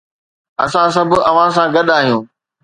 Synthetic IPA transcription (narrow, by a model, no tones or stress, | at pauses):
ɐ̰sãs̬ɐbʱʊɐʋ̤ãs̬ãːɡɐɗaːɦijũː